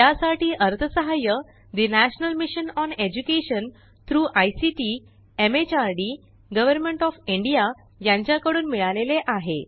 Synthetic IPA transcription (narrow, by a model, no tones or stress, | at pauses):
jasaʈiːʔəɾt̪ʰəsəɦajə | d̪inæɕnəlmiɕənɔned͡ʑukeɕən | t̪ʰɾuːʔajsiʈi | emet͡ɕaɾɖi | ɡəʋəɾmẽɳʈɔfiɳɖija | jãɲt͡ɕjakəɽuːnmiɭaleleʔaɦe